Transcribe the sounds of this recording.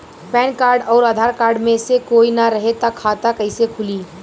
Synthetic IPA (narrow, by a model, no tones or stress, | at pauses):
pɛːnkaːɾɖɔːɾad̪ʱaɾkaːɾɖmẽsekoinaɾəɦet̪akʰat̪akəɪsekʰʊliː